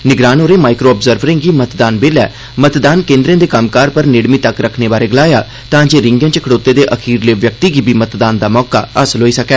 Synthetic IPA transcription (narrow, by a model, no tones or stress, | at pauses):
nɪɡɾaːnɦoːɾeːmaːɪkɾoːɔːbzəɾʋɾɪ̃ːŋɡiːmət̪d̪aːnbeːlɛː | mət̪d̪aːnkẽːnd̪ɾẽːd̪eːkəmkaːɾpəɾnɪɽmiːt̪əkɾəkʰneːbaːɾeːɡəlaːjaː | t̪ãːd͡ʒeːɾɪ̃ŋɡə̃ːt͡ʃəkʰəɽoːt̪ːeːd̪eːʔəkʰiːɾleːʋjək̚t̪iːɡiːbʱiːmət̪d̪aːnd̪aːmɔːka̰ːəsəlɦoːiːsəkɛː